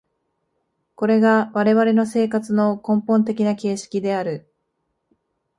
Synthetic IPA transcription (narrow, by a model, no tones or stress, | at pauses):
ko̞ɾe̞ɡaβaɾe̞βaɾe̞no̞se̞ːkat͡sɨno̞kõ̞mpõ̞nt̪e̞kʲinake̞ːɕi̥kʲid̪e̞aɾɯ̟